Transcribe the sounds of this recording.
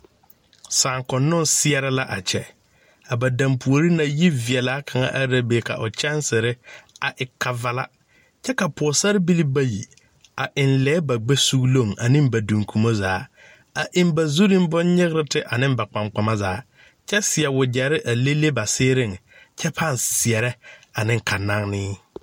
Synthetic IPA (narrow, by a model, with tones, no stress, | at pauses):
saː˨ŋkʊ˨nːʊ˦nsɪ˦ɛ˦ɾɪ˦la˦ʔa̰˨t͡ʃʰɛ̰˨ | a˨ba˨da˨mpʰu˨o˨ɾi˦na˨ji˦vɪ˨ɛ˨laː˦kʰa˨ŋa̰˦ʔa˦ɾa˦be˨ka̰˨ʔʊ̰˨t͡ʃɛ˦nsɪ˨ɾɪ˦a˨ʔɪ˨kʰa˦va˦la̰˦ | t͡ʃɛ˦ka˨pʰɔ˨sa˦ɾɪ˦bi˦li˦ba˦jḭ˨ | a˨ʔɪ˨nlɛː˦ba˨ɡ͡be˦su˦ɡlo˦˨ŋʔa̰˨nɪ̃˦mba˨du˨ŋkʰu˨mo˦zaː˨˦ | a˨ʔɪ˦m˦ba˨zu˦ɾɪ˦m˦bʊ˦nɲɪ˦ɣɪ˦ɾɪ˦tɪ˦ʔa˨nɪ˦mba˨k͡pa˨ŋ͡mk͡pa˨ma˦zaː˨˦ | t͡ʃɛ˦sɪ˨ɛ˨wʊ˨d͡ʒɛ˨ɾɪ˦ʔa˨le˦le˦ba˨sɪː˦ɾɪ˦˨ŋ | t͡ʃʰɛ˦pʰa˦˨nsɪ˨ɛ˨ɾɛ˦a˨nɪ̃˦ŋ˨kʰa˨na˦ŋnɪː˦